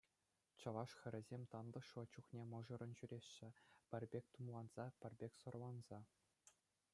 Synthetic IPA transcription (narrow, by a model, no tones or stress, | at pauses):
t͡ɕɤ̆lˠɑʂxʲɘ̆ɾʲɘ̆zʲemʲt̪ɑnd̪ɤ̆ʂɤ̆t͡ɕuχnʲemɤ̆ʐɤ̆ɾɤ̆nɕyɾʲeɕːɘ̆pʲɘ̆rʲbʲek̚ʲt̪umlˠɑnz̥ɑpʲɘ̆rʲbʲekʲsŏrlˠɑnz̥ɑ